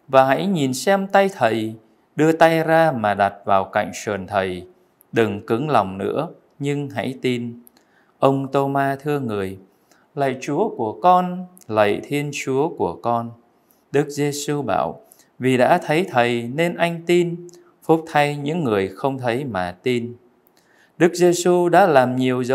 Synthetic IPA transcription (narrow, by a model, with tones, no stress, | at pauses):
vaː˨˩ɦa̰˧˥jɲi˨˩nsɛ˧mt̪a˧jt̪ʰə˨˩j | ɗɨ˧ət̪a˧jzaː˧maː˨˩ɗa˨˩t̚vaː˨˩wka̰˧˨jŋ̟sə˨˩ənt̪ʰə˨˩j | ɗɨ˨˩ŋkɨ˨˦ŋla˨˩wŋ͡mnɨ̰˧˥ə | ɲɨ˧ŋɦa̰˧˥jt̪i˧n | ʔə˧wŋ͡mt̪o˧maː˧t̪ʰɨ˧əŋɨ˨˩əj | lə̰˧˨jt͡ɕu˨˦əku˧˩əkɔ˧n | lə̰˧˨jt̪ʰi˧ənt͡ɕu˨˦əku˧˩əkɔ˧n | ɗɨ˦˥k̚ze˧su˧ɓa̰ː˧˩˨w | vi˨˩ɗa̰ː˧˥t̪ʰə˨˦jt̪ʰə˨˩jne˧nʔa˧jŋ̟t̪i˧n | fʊ˦˥k͡p̚t̪ʰa˧jɲɨ̰˧˥ŋːɨ˨˩əjxə˧wŋ͡mt̪ʰə˨˦jmaː˨˩t̪i˧n | ɗɨ˦˥k̚ze˧su˧ɗa̰ː˧˥laː˨˩mɲi˨˩əwzə˧˦